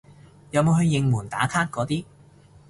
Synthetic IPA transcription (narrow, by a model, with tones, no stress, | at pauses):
jɐ˨˧wmo˨˧wɦɵ˧ɥjɪ˧ŋmuː˨˩nt̪a̰ː˨˥kʰaː˥t̚kɔː˨˥t̪iː˥